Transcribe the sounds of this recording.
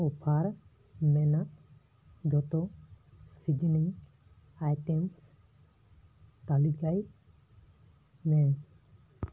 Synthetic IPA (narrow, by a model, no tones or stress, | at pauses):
ɔpʰaɾ | mɛna | ɡɔt̪ɔ | siɡiniŋ | ajtɛms | t̪alikaj | nɛ